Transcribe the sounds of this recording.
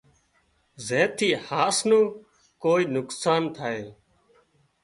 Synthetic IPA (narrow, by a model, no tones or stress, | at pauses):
zeːt̪ʰiːhaːsnõː | koːiːnʊksaːnt̪ʰaːeː